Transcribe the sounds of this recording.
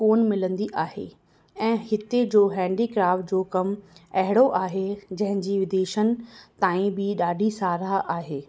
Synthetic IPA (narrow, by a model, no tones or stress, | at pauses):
koːnmɪlə̃nd̪iʔaːɦḛː | ɛ̃ːhɪt̪ed͡ʑoːɦɛ̃ːɳɖikɾaːfʈ̚d͡ʑoːkɐmɐɦɪɽ̃oʔaːɦed͡ʑɐ̃ɦɪ̃ɲd͡ʑiːʋɪd̪eːʃənɪ̆t̪ãːĩbɪɗaːɖʱisaːɾaʔaːɦeː